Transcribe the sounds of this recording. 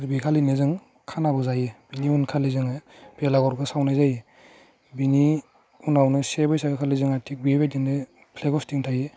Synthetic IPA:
ɾbikʰalinezɯŋ | kʰanabɯzajebiniunkʰalizɯŋab̥elaɡɔɾɡɯsawnajzaji | bini | unawnɯsebɯjsabikʰalizɯŋatʰik̚bibajtiŋde | pʰleɡɔstiŋtʰaje

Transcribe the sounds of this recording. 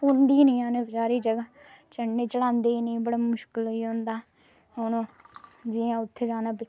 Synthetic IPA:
ʊ̃ːnd̪iːnĩːãːneːsaːɾiːd͡ʒəɡaː | t͡ʃəɳːeːt͡ʃəɽãːnd̪eːnĩːbəɽaːmʊʃkəliːõːnd̪aː | onõːd͡ʒiːãːʊt̪ʰːeːd͡ʒaːnaːpiː

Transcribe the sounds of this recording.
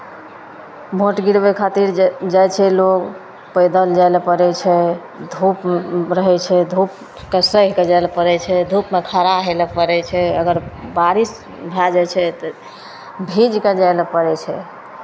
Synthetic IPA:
bʱoʈɡiɽbekʰat̪iɾd͡ʒajt͡ʃʰɛloɡ | pəjd̪əld͡ʒajlpəɾɛt͡ʃʰɛ | d̪ʱupɾəɦɛt͡ʃʰɛd̪ʱup̚ | kesəɦked͡ʒalpəɾɛt͡ʃʰɛd̪ʱupmet̪ʰaɾaɦeləpəɾɛt͡ʃʰɛəɡəɾbaɾis | bʱad͡ʒat͡ʃʰɛt̪ | bʱid͡ʒked͡ʒajləpəɾɛt͡ʃʰɛ

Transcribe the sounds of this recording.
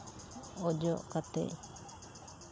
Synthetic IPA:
ɔd͡ʒɔʔkat̪ɛ̰ʔ

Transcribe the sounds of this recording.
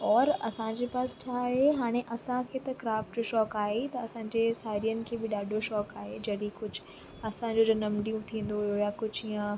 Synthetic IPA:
ɔːɾɐsãɲd͡ʑeːpaːsɪ̥ʈʰaːɦeɦaːɽ̃eʔɐsãkʰeːt̪ɐkɾaːfʈʃɔːkaːɦet̪ɐɐsãɲd͡ʑeːsaːɾijənɪ̆kʰeːbɪɗaːɖʱoʃɔːkaːɦed͡ʑɐɽikʊd͡ʑʱʊ | ɐsãd͡ʑod͡ʑɐnɐmɖijũt̪ʰĩːn̆d̪oɪjojakʊd͡ʑʱijə̃

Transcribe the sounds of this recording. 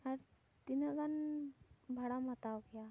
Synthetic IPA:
aɾ | t̪inəɡan | bʱaɽamat̪aɡja

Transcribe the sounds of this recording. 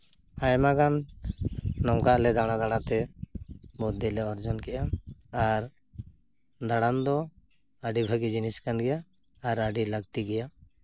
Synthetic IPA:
ajmaɡanː | ɔwkaʔlɛd̪aɽ̃ad̪aɽat̪ɛ | bɔd̪ilɛɔɾd͡ʒɔnkɛʔaaɾ | d̪aɽand̪ɔ | əɖibʱəɡid͡ʒiniskanɡɛjaː | ɾəɖiləɡt̪iɡɛja

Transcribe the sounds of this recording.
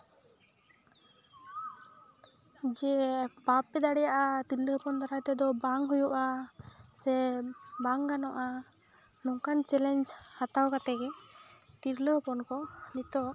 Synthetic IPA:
d͡ʒɛbap̚ɛd̪aɽɛjaʔat̪iɾləpɔnt̪aɾat̪ɛd̪ɔbaŋɦujuʔasɛbaŋɡanɔʔa | nɔŋkant͡ʃɛlɛɲd͡ʒhat̪awkat̪ɛɡɛt̪iɾləɦpɔnkɔnit̪ɔ

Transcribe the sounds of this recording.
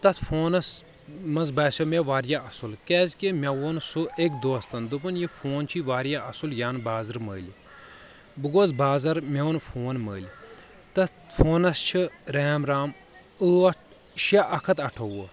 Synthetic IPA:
t̪ɐt̪ʰfʰoːnɐs | mɐnzbɐːsʲomeʋaːɾjaɐsulkɛːzʲkimʲɐwoːnsuekd̪oːst̪ɐnd̪upɐnjifʰoːnt͡ʃʰiʋaːɾjaʔɐsuljaːnbaːzɨɾməːli | bɨɡoːzbaːzɐɾmeunfʰoːnməːlʲ | t̪ɐt̪fʰoːnɐst͡ʃʰiɾeːmɾaːm | əɐʈʰ | ʃaʔɐkʰɐt̪ɐʈʰɐwo

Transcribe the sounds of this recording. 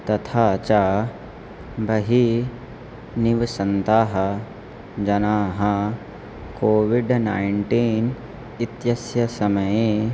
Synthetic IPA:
t̪ɐt̪ʰaːt͡ʃaː | bʱɐɦi | niʋsɐnt̪aːɦɐ | d͡ʒɐnaːɦɐ | koːʋiɖnaːiɳʈiːn | it̪jɐsjɐsɐmɐjeː

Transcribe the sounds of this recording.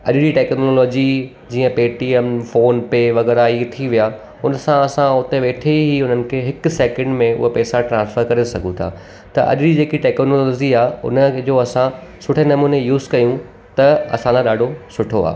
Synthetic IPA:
ɐ̰ɗɪɾiʈeːknoːlɔːd͡ʑi | d͡ʑiːə̃peːʈiːemfoːnpeʋɐɣɛːɾait̪ʰiʋija | ʊnsãɐsãʊt̪eʋeːʈʰeiɦiʊn̤ənɪ̆kʰeːɦɪksɛːkə̃ɳɖmẽʊ̰ɦepɛːsaʈɾãːnsfəɾkɐɾesɐɡʱũt̪ʰa̰ː | t̪ɐʔɐ̰ɗɾid͡ʑeːkiʈeːknoːlːlɔːd͡ʑiaːɦʊ̰nəd͡ʑoːɐsãsʊʈʰenɐmũːnejuːzkɐjũ | t̪ɐɐ̰sãd͡ʑãɗaːɖʱosʊʈʰoa̰ː

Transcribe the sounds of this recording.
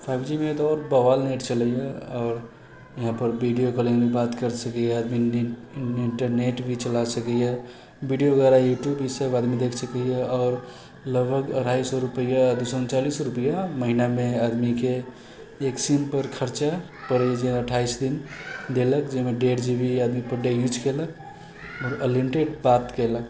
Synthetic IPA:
pʰaɪbd͡ʒimẽt̪ɔːɾbəʋalneʈt͡ʃələjeɔːɾ | jəɦãpəɾbʱiɖijokəlẽbʱibat̪kəɾsəkəjɛəd̪mi | iɳʈəɾneʈbʱit͡ʃəlasəkəje | biɖijoɡəɾajuʈjubisəbad̪mid̪ekʰsəkəjeɔːɾ | ləɡbʱəɡə̰ʈʰaisɔɾupəjad̪usɔnt͡ʃalisɾupəjaməɦinamead̪mike | eksimpəɾkʰəɾt͡ʃa | pəɽɛjed͡ʒeəʈʰaisd̪ind̪eləkd͡ʒemẽɖeʈd͡ʒibʱiad̪mipəɖejut͡ʃkelək | ɔːɾəlimʈeɖbat̪kelək

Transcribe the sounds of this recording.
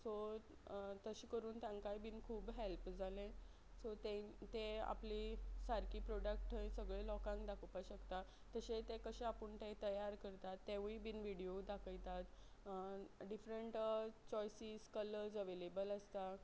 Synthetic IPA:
so | t̪əɕiːkəɾuːnt̪jãŋkajbiːnkʰuːbɦelpd͡zʱalẽ | sot̪et̪ea̰plisaɾkiːpɾɔɽək̚ʈʰəĩsəɡɭelɔkãŋkd̪akʰupaɕəkt̪aː | əɕet̪ekəɕeapəɳʈ̪et̪əjaɾkəɾt̪at̪ːeʋibinʋiɽiod̪akʰəjt̪at̪ | ɖifɾəɳʈt͡ɕɔjsiːskələɾd͡zəʋelebələst̪a

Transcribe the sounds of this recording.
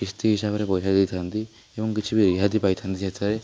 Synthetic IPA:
ist̪iɦisabɾepɔjsad̪ejt̪ʰand̪i | ebɔŋkit͡ʃʰibiɾiɦad̪ipajt̪ʰand̪isʰet͡sʰaɾe

